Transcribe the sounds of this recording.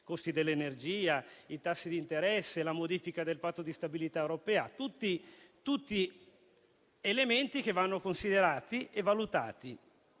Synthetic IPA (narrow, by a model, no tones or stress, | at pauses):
kost̪id̪elːenerd͡ʒiːait̪asːid̪int̪eɾɛsːelamod̪iːfikad̪elpat̪ːod̪ist̪abilit̪aewɾopɛːat̪ut̪ːit̪ut̪ːi | element̪ik̟evːanːokonsid̪eɾaːt̪iʔevalut̪a̰ːt̪i